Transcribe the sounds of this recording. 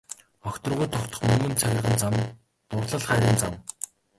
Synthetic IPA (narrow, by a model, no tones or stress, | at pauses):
ɔxʲt̪ɞ̆rʁujt̪ʰɔkt̪ɞ̆χmɵŋɡɵ̆nt͡sʰaɣʲɪ̆rʁə̆nt͡sam | t̪ʊrɮə̆ɮχæːɾʲiːnt͡sam